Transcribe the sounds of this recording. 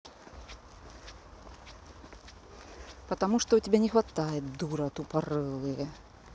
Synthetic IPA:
pɐt̪amuʂt̪ɔutʲibʲɛnʲɛxʋat̪ajɛt̪̚d̪uɾɐt̪uparɨlˠɨjɛ

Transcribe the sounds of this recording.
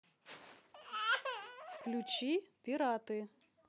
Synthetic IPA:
fklʲut͡ɕipʲiɾat̪ɨ

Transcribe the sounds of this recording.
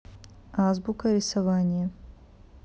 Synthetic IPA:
azbukɐɾʲɪsɐvanʲɪjə

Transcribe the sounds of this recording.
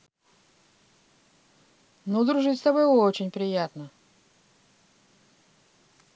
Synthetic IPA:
nud̪ɾʊʐɨtʲst̪ɐbo̞jot͡ɕɪnʲpɾʲɪjat̪nə

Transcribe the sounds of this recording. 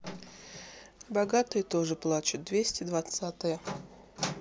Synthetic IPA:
bɐɡat̪ɨjət̪o̞ʐɨplˠat͡ɕʊt̪̚d̪vʲesʲtʲɪd̪vɐt̪sat̪ɨjə

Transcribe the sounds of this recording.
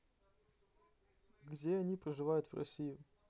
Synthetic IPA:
ɡdʲeɐnʲipɾəʐɨvajʊt̪v̥rɐ̰sʲijʊ

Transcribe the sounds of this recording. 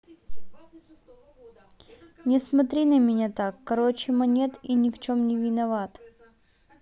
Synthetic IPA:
nʲɪsmɐt̪ɾʲinəmʲɪnʲat̪akːɐɾot͡ɕɪmɐnʲet̪inʲɪft͡ɕomnʲɪvʲɪnɐvat̪

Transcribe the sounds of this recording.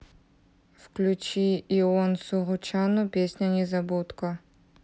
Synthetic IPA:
fklʲut͡ʃiːɔnsuʁʊt͡ʃʰanupʲesʲnʲɐnʲɛzɐbut̪kɐ

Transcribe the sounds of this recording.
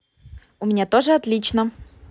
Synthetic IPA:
ʊmʲɪnʲat̪oʐɨɐt̪lʲit͡ɕnə

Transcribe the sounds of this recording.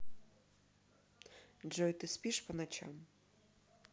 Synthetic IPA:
d͡ʒɔjt̪ɨspiʃpənat͡ɕa̰m

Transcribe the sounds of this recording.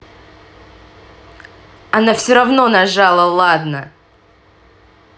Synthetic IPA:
ɐnafsʲoɾɐvno̞nɐʐalˠəlˠad̪nə

